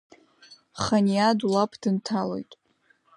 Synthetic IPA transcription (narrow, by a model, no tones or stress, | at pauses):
χanijadulapʰd̥ɨntʰalo̞̰jtʼ